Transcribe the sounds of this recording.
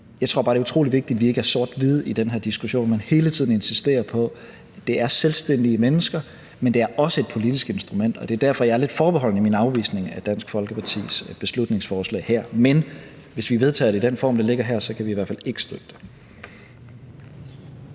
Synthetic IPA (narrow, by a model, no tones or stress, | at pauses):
jɑ̈ɪt͡sʰʁo̝ɐbɑ̈ːɾe̝ɐut͡sʰʁo̝̰ːliʋe̝ɡ̥̚d̥id̥ʋie̝ɡ̥əæɐso̝ɐd̥ʋið̞ˠid̥enɦæ̰ɐd̥isɡ̥uɕo̝̰ːnnmænhe̝ːlət͡sʰiðˠn̩e̝nsisd̥e̝̰ːɐpʰɒ̽ | d̥e̝æɐselsd̥en̰d̥iəmenəsɡ̥ɐ | mend̥e̝æɐʔɒ̽səe̝d̥̚pʰo̝lid̥isɡ̥e̝nsd̥ʁumen̰d̥ɒ̽d̥e̝æɐd̥æɐfɒ̽jɑ̈ɐle̝d̥fɒːb̥eɦɒ̽l̰nəiminɑ̈ʊʋḭːsne̝ŋæd̥æn̰sɡ̥fɒ̽lɡ̥əpʰɑ̈t͡sʰḭːsb̥e̝slud̥ne̝ŋsfɒːslɛ̰ːɪhæɐ̰men | ʋe̝sʋiʋe̝ð̞ˠt͡sʰɛ̰ːɐdeid̥enfɒ̰ːmd̥ele̝ɡ̥ɐɦæɐ̰sɒ̽kʰæʋiːʋæɐfæle̝ɡ̥ə̥sd̥øɡ̥̚d̥e